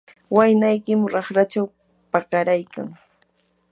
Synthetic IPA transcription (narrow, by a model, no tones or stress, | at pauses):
wajnajkɪmʊɾɑχɾat͡ʃaw | pakaɾajka̰ŋ